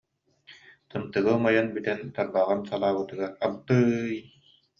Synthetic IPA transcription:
t̪ɯnt̪ɯɡɯmajanbyt̪ɛnt̪aɾbaʁɯnsalˠaːbɯt̪ɯɡaɾabt̪ɯj

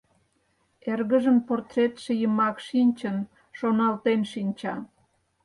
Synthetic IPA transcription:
erɣəʒəmport̪ret̪ʃĕjəmɑkʃinʲt͡ɕən | ʃonɑlt̪enʃinʲt͡ɕɑ

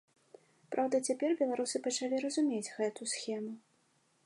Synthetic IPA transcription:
pɾʔawd̪ɐt͡sʲapʲɛrbʲɛlˠaɾusɨpɐt͡ʂalʲiɾɐzumʲed͡zʲɣɛt̪usxʲɛmu

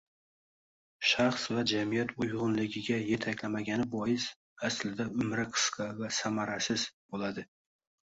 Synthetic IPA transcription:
ʃaχsvad͡ʒamijat̪ʰʊjʁʊnlɪɡʲɪɡʲaje̞t̪ʰakʲlamaɡʲanɪbɒjɪs | aslɪd̪aʊmɾɪqʰɨ̥sqʰɑvasamaɾasɪz̥bolad̪ɪ

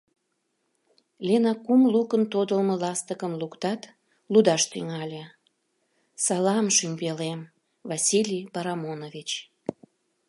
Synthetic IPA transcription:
lʲenɑkumlukənt̪od̪əlməlɑst̪əkəmlukt̪ɑt̪ | lud̪ɑʃt̪yŋɑlʲe | sɑlɑmʃymʲpelem | vɑsʲilʲipɑɾɑmonovʲit͡ɕ

